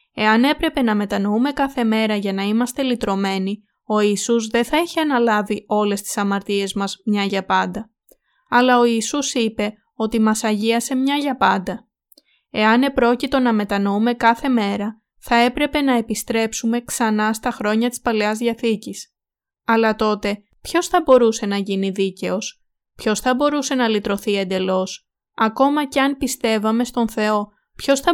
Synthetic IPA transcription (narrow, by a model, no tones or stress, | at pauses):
e̞ɐne̞pɾe̞pe̞nɐme̞t̪ɐno̞ume̞kɐθe̞me̞ɾɐʝɐnɐimɐst̪e̞lit̪ɾo̞me̞ni | o̞isuzðe̞θɐiçiɐnɐlɐvio̞le̞st̪i̥sɐmɐɾt̪ie̞zmɐzmɲɐʝɐpɐnd̪ɐ | ɐlɐo̞isusipe̞ | o̞t̪imɐsɐʝiɐse̞mɲɐʝɐpɐnd̪ɐ | e̞ɐne̞pɾo̞cit̪o̞nɐme̞t̪ɐno̞ume̞kɐθe̞me̞ɾɐ | θɐe̞pɾe̞pe̞nɐe̞pist̪ɾe̞psume̞ksɐnɐst̪ɐxɾo̞ɲɐt̪i̥spɐleɐzðiɐθicis | ɐlɐt̪o̞t̪e̞ | pço̞sθɐbo̞ɾuse̞nɐʝiniðice̞o̞s | pço̞sθɐbo̞ɾuse̞nɐlit̪ɾo̞θie̞nd̪e̞lo̞s | ɐko̞mɐce̞ɐnpist̪e̞vɐme̞st̪o̞nθe̞o̞ | pço̞sθɐ